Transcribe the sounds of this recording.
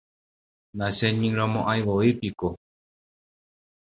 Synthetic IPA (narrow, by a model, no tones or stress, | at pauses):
nãsẽɲĩŋɾõmõʔajʋoipiko